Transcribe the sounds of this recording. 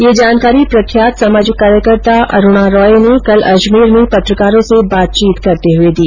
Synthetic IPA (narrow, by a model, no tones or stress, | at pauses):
jed͡ʒaːnkaːɾipɾɐkʰjaːt̪sɐmaːd͡ʒɪkːaːɾjəkəɾt̪aʔɐ̰ɾʊɽ̃aɾɔːenekɐlɐʃmiːɾmẽpɐt̪ɾəkaːɾõsebaːt̪̚t͡ʃiːt̪kɐɾt̪eɦʊed̪iː